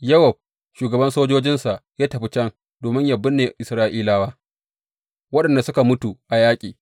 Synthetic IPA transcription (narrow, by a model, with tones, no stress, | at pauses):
jɐ˦wɐ˨b̚ | ʃuː˨ɡɐ˨bɐ˦nsoː˦d͡ʒoː˦d͡ʒɪ˦nsa˨ʔjaː˦tɐ˨ɸi˦t͡ʃɐ˦ŋ | doː˨mɪ˦ɲja˨bːɪ˦nːeː˨ʔɪ˨sɾaː˦ʔiː˦laː˦waː˦ | wɐ˦ɗɐ˨nda˨sʊ˦ka˨mʊ˦tu˨ʔa˨jaː˦kʲʼiː˨